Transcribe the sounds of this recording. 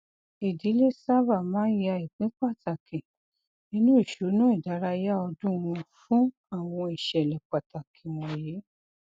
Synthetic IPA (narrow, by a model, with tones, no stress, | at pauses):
i˨di˨˦le˦˨sa˦va˦˨mãː˨˦a˧˨i˨k͡pĩ˨˦k͡pa˦˨ta˨kʰĩ˨ | nĩ˦nũ˦i˦˨ʃo˨˦nũ˦i˦˨da˨˦ɾa˧ja˦ɔ˧dũ˦˧w̃ɔ̃˧fũ˦ | a˦˨w̃ɔ̃˧i˨ʃɛ˨lɛ˨k͡pa˨ta˨kʰĩ˨wɔ̃˨je˨˦